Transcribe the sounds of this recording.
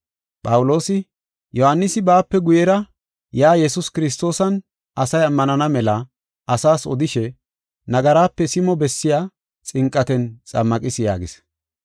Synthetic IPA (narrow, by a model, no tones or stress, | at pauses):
pʼɐwʊlo̞ːsɪ | jɔhɐnːɪsɪbaːpːɛɡʊjɛɾɐ | jaːjɛsʊskɪɾɪs̬t̪o̞ːsɐn | ɐsɐjɐmːɐnɐnɐmɛlɐ | ʔɐsaːsɔ̰d̪ɪʃɛ | nɐɡɐɾaːpːɛsɪmɔbɛsːɪjaː | t͡sʼɪŋkʼːɐt̪ɛnt͡sʼɐ̰mːɐkʼɪsɪja̰ːɡɪs